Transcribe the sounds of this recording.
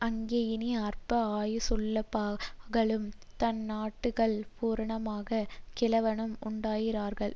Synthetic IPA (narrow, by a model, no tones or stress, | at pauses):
ʔɐŋɡeːjɪniɐɾpɐaːjsɔlːɐpaːɣɐɭɯm | t̪ɐnːaːʈːɯɣɐɭpuːɾɐɳɐmaːɣɐkɪlɐʋɐɳɯmʊɳɖaːjɪɾaːɾɣɐɭ